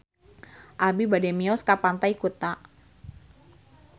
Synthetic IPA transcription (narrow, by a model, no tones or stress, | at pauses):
ʔabibadɛmiɔskapant̪aikut̪a